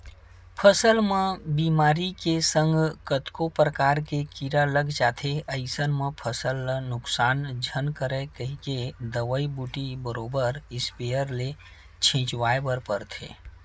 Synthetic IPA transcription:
pʰəsəlmẽbiːmaːɾikesə̃ŋɡkət̪kopɾəkaːɾkekiɾaləɡd͡ʒat̪ʰeəɪsənmẽpʰəsəlnʊksaːnd͡ʒʱənkəɾekəɦiked̪əʋəibuʈibəɾoːbəɾɪspejəɾle | t͡ʃʰĩːt͡ʃwaːebəɾpəɾt̪ʰḛː

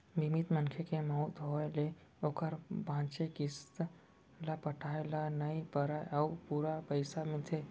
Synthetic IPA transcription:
bʱimit̪mənkʰekeməɦut̪ɦoele | okəɾbʱãt͡ʃekist̪ | lapəʈʰajlanəjpəɾajaupuɾapəɪsamilt̪ʰe

